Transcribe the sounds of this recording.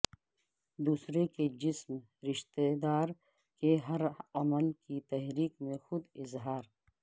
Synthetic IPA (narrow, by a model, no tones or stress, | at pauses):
d̪uːsɾeked͡ʒɪsm | ɾɪʃt̪ed̪aːɾ | keɦɐɾɐməlkit̪ɛɦɾiːkmẽxʊd̪ɪzɦaːɾ